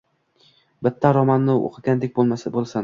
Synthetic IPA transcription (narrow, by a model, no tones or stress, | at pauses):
bɪt̪ʰːaɾɒmanːɪo̰qʰɨɡʲand̪ek̚ʲbolˠmasabolˠsan